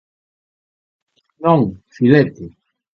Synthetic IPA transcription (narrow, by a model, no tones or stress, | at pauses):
nõŋfilɛt̪e